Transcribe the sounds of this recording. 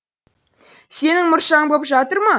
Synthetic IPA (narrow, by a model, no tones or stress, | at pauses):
se̞nɪŋmʊɾʃɑbopʒɑt̪əɾmɑ